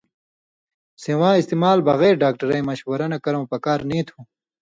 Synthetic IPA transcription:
sewãːist̪imaːlbɐɣeːɾɖaːkʈɐɾɐjmɐɕwɐɾɐnɐkɐɾɐ̃wpɐkaːɾnĩːt̪ʰũ

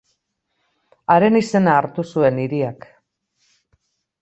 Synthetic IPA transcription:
aɾe̞nise̞naːɾt̪usue̞niɾiak

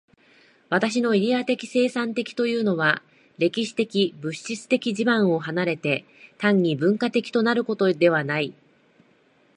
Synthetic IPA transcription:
βat̪aɕ̬ino̞iɾʲiat̪e̞kʲi̥se̞ːsãnt̪e̞kʲi̥t̪o̞jɯ̟ːno̞βa | ɾe̞kʲiɕi̥t̪e̞kʲibɯ̟ɕːit͡sɨ̥t̪e̞kʲiʑibãɰ̃o̞ɦanaɾe̞t̪e̞ | t̪ãɲ̟ːibɯ̟̃ŋkat̪e̞kʲi̥t̪o̞naɾɯ̟ko̞t̪o̞d̪e̞βanai

